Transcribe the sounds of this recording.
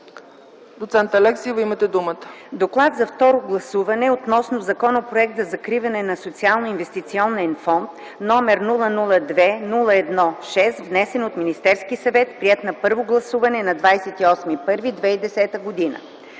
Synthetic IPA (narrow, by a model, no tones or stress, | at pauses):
d̪ot̪sɛnt̪ɐlɛksivɐimət̪ɛd̪umət̪ə̥d̪oklˠat̪zɐft̪ɔɾoɡlˠɐsuvɐnɛot̪nɔsnozɐkɔnəpɾoɛk̚t̪əzɐkɾivɐnɛnɐsot̪sialˠnoinvɛst̪it̪siɔnɛnfɔnt̪ | nɔmɛɾnulˠənulˠəd̪vɛnulˠəɛd̪nɔʃɛst̪vnɛsɛnot̪minist̪ɛɾskisɐvɛt̪pɾiɛt̪nɐpɤɾvoɡlˠɐsuvɐnɛnɐd̪vajsɛt̪iɔsmipɤɾvid̪vɛid̪ɛsɛt̪əɡod̪inə̰